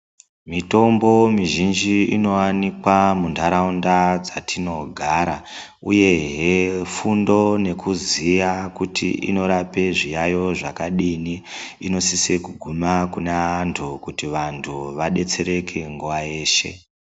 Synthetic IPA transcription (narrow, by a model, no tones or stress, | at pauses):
mito̞mbo̞miʒind͡ʒiino̞wanikwamuntʰaɾaundad͡zatʰino̞ɡʱaɾa | uje̞ɦefundo̞ne̞kuzijakutḭʔḭno̞ɾape̞ʐijajo̞ʐakaɗiniino̞sisekuɡʱumakunaantʰukutiʋantʰuʋaɗe̞t͡se̞ɾe̞kʰe̞ŋɡuʋaje̞ːʃe̞̰